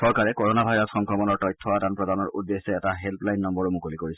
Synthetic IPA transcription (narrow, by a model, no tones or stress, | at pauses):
sɔɹkaɹɛkɔɹɔnabʱajɹɔsxɔŋkɹɔmɔnɔɹtɔjtʰːɔadanpɹɔdanɔɹudːesːɛɛtaɦelplajnːɔmbɔɹomukolikoɹis